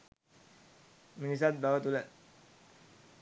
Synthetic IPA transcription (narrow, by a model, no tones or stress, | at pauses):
minis̬at̪̚bawat̪ulat̪̚